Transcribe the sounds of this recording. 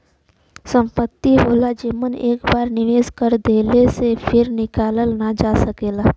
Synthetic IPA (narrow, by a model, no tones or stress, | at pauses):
sə̃mpət̪ːiɦoːlad͡ʒiːməneːkbaːɾnɪʋeːskəɾd̪eːlesepʰɪɾnɪkaːləlnad͡ʒaːsəkeːlaː